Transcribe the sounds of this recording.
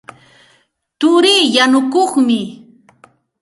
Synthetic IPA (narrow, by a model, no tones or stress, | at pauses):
t̪ʊɾiːjanʊkoχmɪ